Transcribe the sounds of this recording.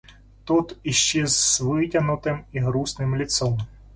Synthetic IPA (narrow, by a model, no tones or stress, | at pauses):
t̪ut̪iʃt͡ʃɛzʋɪtʲɐnʊt̪ɪmiɦɾusnɪmlʲit̪sɔm